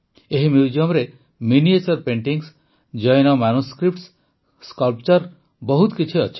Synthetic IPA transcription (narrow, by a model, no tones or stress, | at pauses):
eɦimjud͡ʒiɔmɾe | miniet͡ʃɔɾpeɳʈiŋs | d͡ʒɔjnɔmanuskɾipʈs | skɔlp̚t͡ʃɔɾ | bɔɦut̪kit͡ʃʰiɔt͡ʃʰi̥